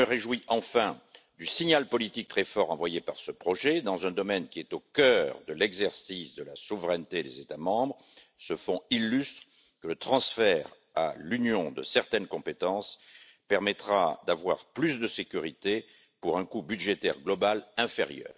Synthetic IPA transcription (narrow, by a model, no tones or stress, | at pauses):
əʁeʒwiʔɑ̃fɛ̃ | d̪ysiɲalpɔlit̪ik̚t̪χɛfɔʁɑ̃vwajepaʁsəpχɔʒed̪ɑ̃zɛ̃d̪ɔmɛnkʲiɛt̪okœʁd̪əlɛɡzɛʁsisd̪əlasuvʁɛnt̪ed̪ezet̪amɑ̃bʁə | səfɔ̃ilːyst̪χ | kələt̪χɑ̃sfɛʁ | a̰lynjɔ̃d̪ə̰sɛʁt̪ɛnkɔ̃pet̪ɑ̃s | pɛʁmɛt̪χad̪avwaʁplys̬d̪əsekʲyʁit̪e | puʁɛ̃kubyd̪ʒet̪ɛ̰ʁɡlɔbalɛ̃feʁjœ̰ːʁ